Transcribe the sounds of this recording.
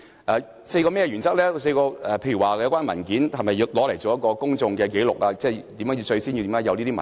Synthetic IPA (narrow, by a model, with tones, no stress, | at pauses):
ʔɛː˨ | se˧jkɔː˧mɛ˥jɛ˧y˨˩nt͡sɐ˥k̚lɛː˥˧s̬e˧jkɔː˧ɛ˨˩pʰe˧jy˨˩waː˨˩jɐ˧wkaː˥nmɐ˨˩nkiː˨˥nhɐ˨mɐ˨jːiː˧wlɔː˨˥le˨˩jt͡so˨˦jɐ˥t̚kɔː˧kʊ˥ŋt͡sʊ˧ŋkɛː˧k̬e˨˥jlʊ˨k̚laː˧t͡sɛː˥˩t̪i˨˥mjœː˨˥jiː˧wt͡ʃɵ˧ɥsiː˥nji˧t̪iː˨˥jaː˧˥jɐ˨˧wli˥t̪i˥mɐ˨˩